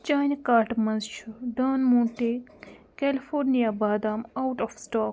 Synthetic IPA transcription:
t͡ʃaːnʲkaːɾʈmɐnzt͡ʃʰuɖaːnmũːɳʈekelifʰoːɾnijaːbaːd̪aːmɐwʈɔfsʈaːk

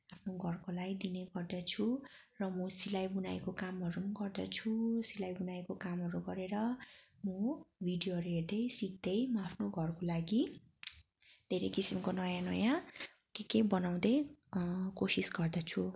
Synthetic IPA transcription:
apʰnoɡʱʌrkolajd̪ineɡʌrd̪ʌt͡sʰu | rʌmʌsilajbunajkokamɦʌɾumʌɡʌrd̪ʌt͡sʰusilajbunajkokamɦʌɾuɡʌɾeɾʌmʌbʱiɖijoʌɾɦeɾd̪ʌjsik̚d̪ʌjmʌapʰnoɡʱʌrkolaɡi | d̪ʱeɾʌjkisimkonʌjãnʌjã | kekebʌnaw̃d̪ʌj | kosisɡʌrd̪ʌt͡sʰu

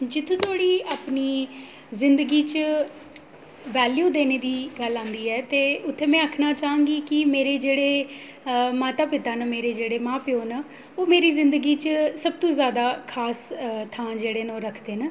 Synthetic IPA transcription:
d͡ʒɪt̪ʰũːt̪ʰoːɽiːaːpniː | zɪnd̪əɡiːt͡ʃə | ʋɛːljuːd̪eːneːd̪iːɡəlãːnd̪iːɛːt̪eːʊt̪ʰːeːmɛ̃ːəːkʰnaːt͡ʃaːãːŋɡiːkɪmeːɾeːd͡ʒeːɽeː | maːt̪aːpɪt̪aːnəmeːɾeːd͡ʒeːɽeːmãːpɪoːnə | oːmeːɾiːzɪnd̪əɡiːt͡ʃəsəb̚t̪õːzjaːd̪aːkʰaːst̪ʰãːd͡ʒeːɽeːnõːɾəkʰd̪eːnə

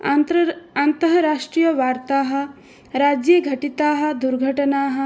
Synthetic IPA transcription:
ɐnt̪ɐɦɐɾaːʂʈɾijɐʋaːɾt̪aːɦɐ̆ | ɾaːd͡ʒjɐɡʱɐʈit̪aːɦɐ̆d̪uɾɡʱɐʈɐnaːɦɐ̆

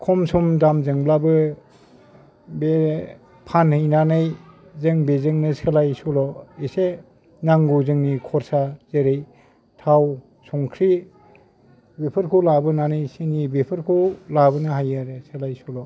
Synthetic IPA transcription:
kʰɔmsumdamzɯŋblabɯ | be | pʰanhɯjnanɯj | zɯŋbezɯŋnɯselajsɔlɔise | naŋɡuzɯŋnikʰɔɾsazeɾej | tʰaw | sʰɔŋkʰɾi | bepʰɯɾkʰulabɯnanɯjsinibepʰɯɾkʰulabɯnɯɦajaɾeselajsulɔ

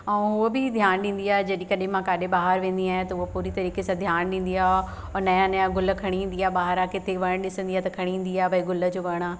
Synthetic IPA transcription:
ɛ̃ɦʊɦobɪd̪ʱjaːnɗĩːn̆d̪iaːɦed͡ʑɐɗĩkɐɗɦɪ̃mãkaːɗẽɓaːɦəɾʋẽːn̆d̪iaːɦẽt̪ɐʊɦopuːɾit̪ɐɾiːkesãd̪ʱjaːnɗĩːnd̪iaːɦ | ɔːɾnɐjãnɐjãɡʊlə̆kʰɐɽ̃iĩːn̆d̪iaːɦeɓaːɦəɾakɪt̪ʰeʋɐəɽ̃ɗɪsə̃nd̪iaːɦt̪ɐkʰɐɽ̃iɦːnd̪iaːɦebɐiɡʊlə̆d͡ʑoːʋɐɽ̃aː

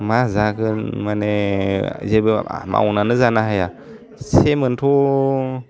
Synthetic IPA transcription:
mazakəmaned͡ʒebḛa̰ma̰wunanəzanaɦaja | semənto

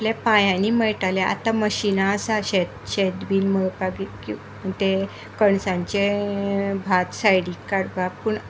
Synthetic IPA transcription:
ljapãjãniməɭʈaleʔa̰t̪aməɕinaəsaɕet̪ɕed̪biːlməpaɡiki | t̪e | kəɳsãɲt͡ɕe | bʱat̪sajɽikːaɾpappuɳ

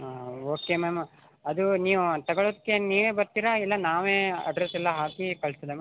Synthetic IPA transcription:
oːkemeːm | ɐd̪uniːʋut̪ɐɡɐɭoːd̪ɐkːe̞niːʋeːbɐɾt̪iːɾɐilːɐnaːʋeːɐ̰ɖɾesɛlːɐɦaːkikɐɭst̪id̪eme

